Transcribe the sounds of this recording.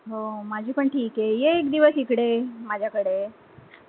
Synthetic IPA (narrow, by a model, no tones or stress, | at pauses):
ɦomad͡ʑʱiːpəɳʈʰiːkejeːkd̪iʋəsikɽemad͡ʑʱjakəɽe